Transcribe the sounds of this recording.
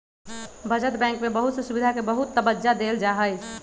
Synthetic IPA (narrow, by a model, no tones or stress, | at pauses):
bəd͡ʒət̪bɛ̃ŋkmebəɦut̪səsubid̪ʱakebəɦut̪ːəbəd͡ʒad̪eld͡ʒaɦəjt͡ʃʰ